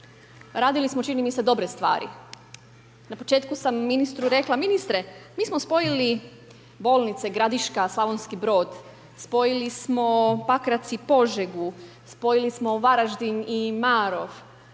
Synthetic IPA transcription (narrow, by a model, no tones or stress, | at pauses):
ɾaːd̪ilismo̞t͡ʃinimise̞d̪o̞bɾest̪ʋa̰ːɾḭ | napo̞t͡ʃe̞ːt̪kusamːinist̪ɾuɾe̞klˠaminist̪ɾe̞miːsmospo̞jili | bo̞ːlˠnit̪seɡɾad̪iʃkaslˠaʋonskibɾo̞ːd̪ | spo̞jilismo̞pakɾat̪sipo̞ʒeɡu | spo̞jilismo̞ʋaɾaʒd̪inimaːɾo̞ʋ